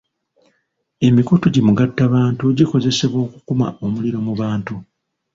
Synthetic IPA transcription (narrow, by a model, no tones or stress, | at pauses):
e̞mikutoɟimuɡatːaβaːntuɟiko̞ze̞se̞βwo̞ːku̥kuma̰o̞muliɾo̞muβaːntu